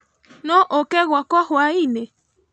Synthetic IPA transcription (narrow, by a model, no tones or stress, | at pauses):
nõʔokeɣʷakɔhwaine